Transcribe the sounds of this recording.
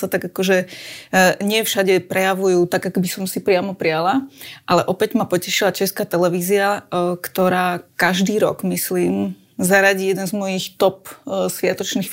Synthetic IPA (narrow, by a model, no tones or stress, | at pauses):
sat̪aɡakɔʒɛ | ɲɪɛfʃaɟɛpɾʔɛjaʋujuːt̪aɡakɔbisɔmsipɾɪamɔpɾialaʔalɛʔɔpɛɟmapɔcɛʃilat͡ʃɛskaːt̪ɛlɛʋiːziakt̪ɔɾaːkaʒd̪iːɾɔ̰ɡmisliːm | zaɾaɟiːjɛd̪ɛnzmɔjixt̪ɔp̚sʋɪat̪ɔt͡ʃniːx